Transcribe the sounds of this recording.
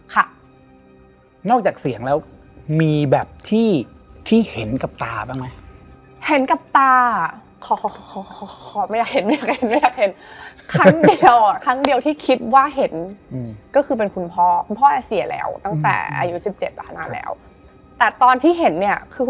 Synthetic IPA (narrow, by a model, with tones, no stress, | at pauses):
kʰa˥˩ | nɔː˥˩k̚t͡ɕaː˨˩k̚si˨˩˦əŋlɛː˦˥w | miː˧bɛː˨˩p̚t̪ʰiː˥˩ | t̪ʰiː˥˩he˩˦nka˨˩p̚t̪aː˧baː˥˩ŋma˦˥j | he˩˦nka˨˩p̚t̪aː˧˩ | kʰɔː˨˩˧ɔː˧˩˧ɔ˧˩kʰɔː˨˩˦ma˥˩jaː˨˩k̚he˩˦nma˥jaː˨˩k̚t͡ɕa˨˧˨he˨˦nma˥˩jaː˨˩k̚he˨˦nkʰɾa˦˥ŋdi˧ə˧wkʰa˦˥ŋdi˧əwt̪ʰiː˥˩kʰi˧˦˥t̪̚waː˥˩ɦe˩˦nː˧ | kɔː˥˩kʰɯː˧pe˧nkʰu˧npʰɔː˥˩kʰu˧npʰɔː˥˩ʔa˧si˨˩˦lɛ̰ː˦˥wt̪a˥˩ŋt̪ɛ̰ː˨˩ʔa̰ː˧ju˦˥si˨˩p̚t͡ɕe˨˩t̪̚a˧˩tʰa˧naː˧˥lɛ̰ː˦˥w | t̪ɛː˨˩t̪ɔː˧nt̪ʰiː˥˩ɦe˩˦nːi˥˩ɐkʰɯː˧